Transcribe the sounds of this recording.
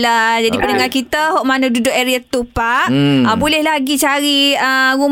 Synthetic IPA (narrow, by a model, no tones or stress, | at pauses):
lad͡ʒadipənəŋarkit̪əɦɔʔmanadudʊʔeɾiat̪upaʔəbulɛhlaɡit͡ʃaɾiəɾum